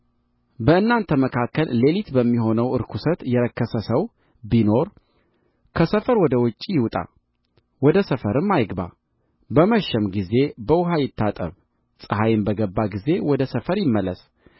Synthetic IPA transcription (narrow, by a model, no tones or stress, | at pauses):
bəɨnːant̪ʰəməkʰakːəlːe̞lit̪bəmːiɦo̞nəwɨɾkʰusət̪jɛɾəkʰːəsəsəw | bino̞ɾ | kʰəsəfəɾwɔd̪əwɨt͡ʃʼːijɪwut̪ʼa̰ | wɔd̪əsəfəɾɨmːajɡba̰ | bəməʃːɛmɡize̞bəwʊɦajɪt̪ʰːat̪ʼə̰β | sʼɨhajɪmbəɡəbːaɡize̞wɔd̪əsəfəɾjɪmːəlːəs